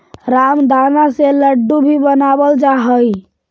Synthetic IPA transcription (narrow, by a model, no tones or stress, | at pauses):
ɾamd̪ʱanaseləɖːubʱibənabəld͡ʒaɦəj